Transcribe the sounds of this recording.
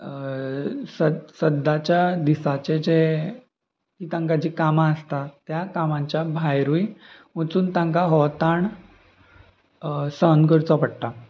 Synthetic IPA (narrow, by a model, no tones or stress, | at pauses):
səsəd̪at͡ɕjad̪isat͡ɕed͡ʑe | kiːt̪ãŋkad͡ʑiːkamaəst̪at̪ːjakamãɲt͡ɕjabʱajɾui | mət͡suːnt̪ãŋkaɦɔt̪aɳ | sənkəɾt͡sɔpəɽʈ̪a